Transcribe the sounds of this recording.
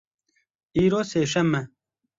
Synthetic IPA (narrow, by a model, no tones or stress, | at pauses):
iːɾoːseːʃɐmːɛ